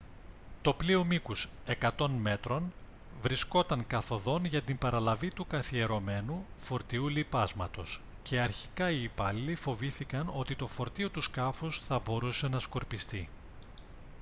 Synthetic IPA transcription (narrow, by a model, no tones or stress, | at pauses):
t̪o̞plio̞mikus | e̞kɐt̪o̞nme̞t̪ɾo̞n | vɾisko̞t̪ɐŋkɐθo̞ðo̞nʝɐt̪imbɐɾɐlɐvit̪ukɐθie̞ɾo̞me̞nufo̞ɾt̪iulipɐzmɐt̪o̞s | ce̞ɐɾçi̥kɐiːpɐlilifo̞viθikɐno̞t̪it̪o̞fo̞ɾt̪io̞t̪uskɐfusθɐbo̞ɾuse̞nɐsko̞ɾpist̪i